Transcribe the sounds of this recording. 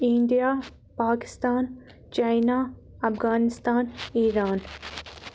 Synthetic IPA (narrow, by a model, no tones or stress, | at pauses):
ĩɳɖijaː | paːkɪ̥st̪aːn | t͡ʃajnaː | ɐfɣaːnɪst̪aːniːɾaːn